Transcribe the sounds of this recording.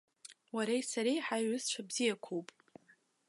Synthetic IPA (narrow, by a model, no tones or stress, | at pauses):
waɾajsaɾejħajɥʊzt͡ʃʷʰabzijakʷʰowpʼ